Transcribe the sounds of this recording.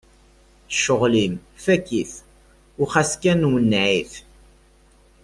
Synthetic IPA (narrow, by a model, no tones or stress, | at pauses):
ʃːoʁlimfækːiθ | ʊχæskænwənːʕiθ